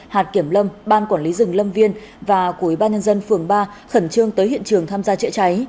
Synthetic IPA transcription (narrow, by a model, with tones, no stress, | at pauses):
haː˨˩t̚ki˧˩əmlə˧mɓaː˧nkwaː˧˩nli˨˦zɨ˨˩ŋlə˧mvi˧ən | vaː˨˩kwu˧˩wi˧˩ɓaː˧nɲə˧nzə˧nfɨ˨˩əŋɓaː˧ | xə˧˩nt͡ɕɨ˧əŋt̪əː˨˦jɦḭ˧˨ənt͡ɕɨ˨˩əŋt̪ʰaː˧mzaː˧t͡ɕə̰˧˥t͡ɕa˨˦j